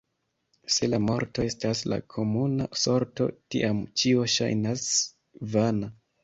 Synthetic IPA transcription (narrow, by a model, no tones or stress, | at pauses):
se̞lamo̞ɾto̞e̞stasla̰kʰo̞muna̰so̞ɾto̞̰tḭʔamt͡ʃio̞ʃa̰jnas | vana